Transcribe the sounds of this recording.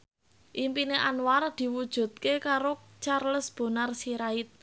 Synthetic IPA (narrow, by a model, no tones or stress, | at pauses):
ʔimpineʔanward̪̥i̤wud̥ʒ̥ṳt̪̚kekaɾot͡ʃarləsb̥o̤narsiɾaɪt̪̚